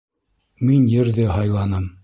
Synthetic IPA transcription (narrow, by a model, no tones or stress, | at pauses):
minjɘ̆ɾðɘɦɑjlˠɑnɤm